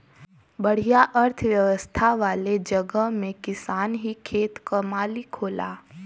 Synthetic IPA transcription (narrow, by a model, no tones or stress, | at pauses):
bɐɽ̤ijaʔəɾt̪ʰʋjɐʋəst̪ʰaʋaːled͡ʒəɡəɦmẽkɪsaːnɦikʰeːt̪kɐmaːlikʰoːla̰ː